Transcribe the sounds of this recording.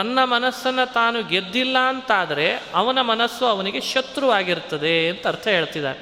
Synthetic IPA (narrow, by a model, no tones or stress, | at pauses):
ɐnːɐmɐnɐsːɐnːɐt̪aːnuɡed̪ːilːɐːnt̪aːd̪ɐɾe̞ɐʋɐnɐmɐnɐsːɐɐʋɐniɡe̞ʃɐt̪ɾuʋaːɡiɾt̪ːɐd̪e̞ːnt̪ɐːɾt̪ʰɐɦe̞ːɭt̪id̪a̰ːɾe